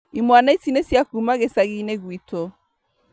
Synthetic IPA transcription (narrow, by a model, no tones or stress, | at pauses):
imwanaisinesjakumaɣesaɣineɣwitɔ